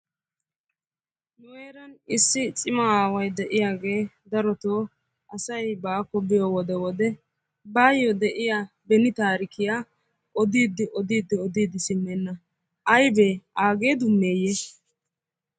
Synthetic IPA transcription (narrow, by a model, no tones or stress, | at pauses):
nʊweːɾɐnɪsːɪt͡sʼɪmɐaːwɐjd̪ɛʔɪjaːɡe̞ː | d̪ɐɾɔt̪oː | ʔɐsɐjbaːkɔbɪjowɔd̪ɛwɔd̪ɛ | baːjɔd̪ɛʔɪja | bɛnɪt̪aːɾɪkɪjaː | ʔɔd̪iːd̪ːɪʔɔd̪iːd̪ːɪɔd̪iːd̪ɪsɪmːɛnːɐ | ʔɐjbeːaːɡe̞ːd̪ʊnːeːje